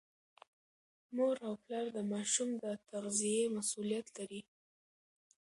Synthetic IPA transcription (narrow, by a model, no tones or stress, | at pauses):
moɾawplɑɾd̪əmɑʃumd̪ət̪aɣzijemasulijat̪laɾi